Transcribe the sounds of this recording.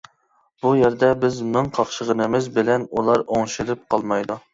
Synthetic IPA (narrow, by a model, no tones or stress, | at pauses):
b̥ujɛɾd̪ɛbɪzmɪŋqʰɑχʃəʁənɨmɪzbɪlɛnulˠɑɾoŋʃɪlɪp̚qʰɑlˠmɑjd̪u